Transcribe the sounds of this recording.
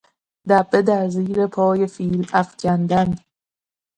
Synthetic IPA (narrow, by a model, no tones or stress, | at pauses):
d̪æbed̪æɾziːɾepʰɒːjefiːlæft͡ʃʰænd̪ænd̪